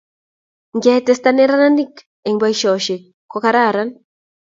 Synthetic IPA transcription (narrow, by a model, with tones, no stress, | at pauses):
ŋɡɛ˦tɛ˦sta˦nɛ˦ɾa˦na˦ni˦k | e˨ŋba˦iʃɔ˨ʃi˨ | kːɔ˦ka˦ɾa˦˨ɾan